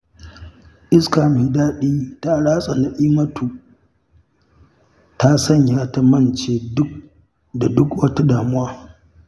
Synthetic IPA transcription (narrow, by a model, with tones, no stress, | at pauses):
ʔɪ˦skaː˨me˨daː˦ɗi˦ta˦ɽaː˦sʼa˨na˨ʔiː˦mɐ˦tʰu˨ | ta˦sɐ˦˨ɲjaː˦ta˦mɐ˦˨nt͡ʃeː˨dʊ˦k | da˨dʊ˦kwɐ˦ta˦daː˨mʊ˦waː˦